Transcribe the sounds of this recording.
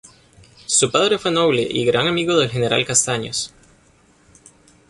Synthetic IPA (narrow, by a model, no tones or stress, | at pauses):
supaðɾe̞fwenoβleʔiɣɾaŋamiɣoðelxe̞ne̞ɾa̰lkast̪aɲo̰s